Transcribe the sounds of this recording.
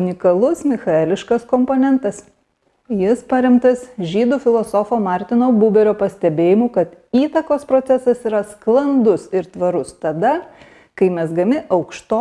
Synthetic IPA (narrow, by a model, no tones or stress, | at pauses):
ʊnʲɪkɐlˠʊsmʲɪxɐɛlʲɪʃkɐskɔmpoːnʲɛnt̪ɐs | jɪspɐɾʲɛmt̪ɐsʒʲiːd̪uːfʲɪlˠɔsɔfoːmɑˑɾʲt̪ʲɪnoːbuːbʲɛɾʲoːpɐsʲt̪ʲɛbʲeːjɪmuːkɐt̪iːt̪ɐkoːspɾoːt̪sʲɛsɐsiːɾɐsklˠɐnd̪ʊsɪɾt̪ʋɐɾʊst̪ɐd̪ɐ | kɐɪmʲɛsɡɐmʲɪʔɐʊkʃt̪oː